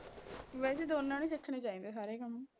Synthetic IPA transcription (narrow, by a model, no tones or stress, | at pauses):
ʋɛːseːd̪oːnːãːneːt͡ʃɪkʰːɳeːt͡ʃaːĩːnd̪eːsaːɾeːkəm